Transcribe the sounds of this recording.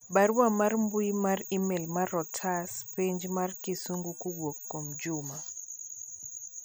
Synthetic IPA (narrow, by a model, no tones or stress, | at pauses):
ɓaɾwamaɾmbuimarimɛlmaɾɔtʰaspiɲd͡ʒmarkisuŋɡukuɡwokːomd͡ʒuma